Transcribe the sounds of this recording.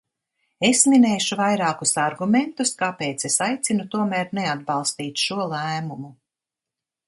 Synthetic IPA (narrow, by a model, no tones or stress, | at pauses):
esminɛːʃuvajɾaːkusaɾɡument̪uskapeːt̪sesajt̪sinut̪uɔmæːɾnead̪̚bɑlˠst̪iːt̪ʃuɔlˠæːmumu